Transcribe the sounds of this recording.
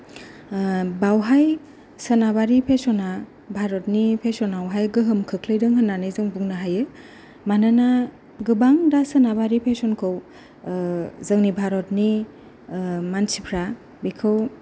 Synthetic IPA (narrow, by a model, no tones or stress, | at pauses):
bawɦaj | sənabaɾipʰesɔna | bʱaɾɔt̚nipʰesɔnawɦajɡɯɦɯmkʰɯkʰlɯjdɯŋɦɯnːanɯjzɯŋbuŋnaɦajɯ | manana | ɡɯbaŋdasənabaɾipʰesɔnkʰɯw | zɯŋnibʱaɾɔtni | mansipʰɾa | bikʰɯw